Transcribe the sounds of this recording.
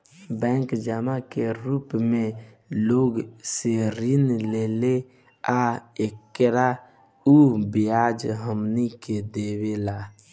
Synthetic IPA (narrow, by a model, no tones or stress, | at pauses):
bɛ̃ːŋkd͡ʒamakeɾupmẽ | loːɡseɾinlele | aekːɾa | ubijad͡ʒɦəmniked̪ewela